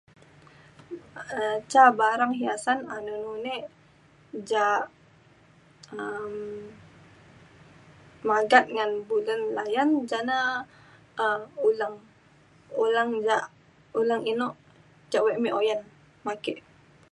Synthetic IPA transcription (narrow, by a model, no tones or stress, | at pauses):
ət͡ʃabaɾaŋɦiasananunune | d͡ʒa | əm | maɡat̪̚ŋanbulənlajand͡ʒana | ulaŋ | ulaŋd͡ʒaʔ | ulaŋinoʔ | d͡ʒaʔweʔmiʔojan | makeʔ